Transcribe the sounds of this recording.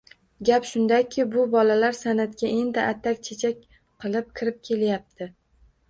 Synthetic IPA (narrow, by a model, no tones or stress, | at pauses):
ɡʲapʃʊnd̪akʲʰɪbʊbɒlalaɾsanat̪kʲaʔend̪ɪʔat̪ʰːakʲt͡ʃʰet͡ʃʰakʲ | qʰɨlˠɪp̚kʲʰɪɾɪp̚kʲʰe̞ljap̚t̪ʰɪ